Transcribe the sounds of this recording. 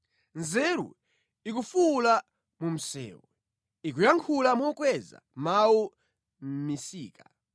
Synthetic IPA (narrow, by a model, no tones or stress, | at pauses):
nzɛɾṵ | ikufula | mum̩sɛ̰ːwɔ | ik̬ujaŋkʰulamukwɛza̰mawu | m̩misiːka